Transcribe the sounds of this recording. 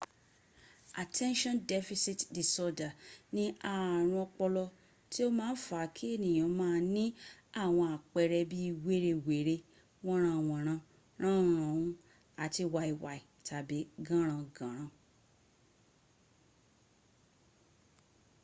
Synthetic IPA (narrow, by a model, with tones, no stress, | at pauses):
a˨tʰɛ̃˦nʃɔ̃˦ndɛ˦fi˧si˦tdi˨sɔ˧da˨nĩ˦a˧˨ɾ̃ũ˧ɔ˧k͡pɔ˧lɔ˧ | ti˦o˦mãː˦fa˨˦kʰi˦e˦˨nĩ˨j̃ã˨˦mãː˦nĩ˦a˦˨w̃ɔ̃˧a˨k͡pɛ˧ɾɛ˧bi˦i˧we˦ɾe˧we˨ɾe˧ | w̃ɔ̃˦ɾ̃ã˧˨w̃ɔ̃˨ɾ̃ã˧ | ɾ̃ã˦ũ˦ɾ̃ã˨ũ˦ | a˨˦ti˧wa˧i˨wa˨i˨tʰa˨bi˨˦ɡã˦ɾ̃ã˧ɡã˨ɾ̃ã˧